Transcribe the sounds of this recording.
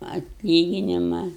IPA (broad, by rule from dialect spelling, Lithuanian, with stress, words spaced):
ɐtʲˈlʲiːɡʲɪnʲɪmɐ